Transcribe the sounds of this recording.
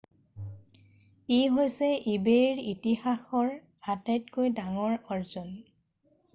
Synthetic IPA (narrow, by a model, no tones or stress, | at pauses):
ejɦojsɛibeɹitihaxɔɹ | atajtkojdaŋɔɹɔɹzɔn